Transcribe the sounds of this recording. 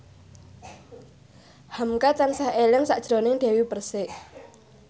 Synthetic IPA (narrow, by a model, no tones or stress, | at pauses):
hamkat̪ansahelɛŋsaʔd̥ʒ̥ɾo̤nɪŋɖ̥e̤wipərsɪʔ